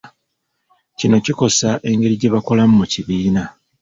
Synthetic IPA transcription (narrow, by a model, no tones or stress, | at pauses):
cino̞ciko̞saʔe̞ŋɡe̞ɾiɟe̞βako̞lamumuciβiːna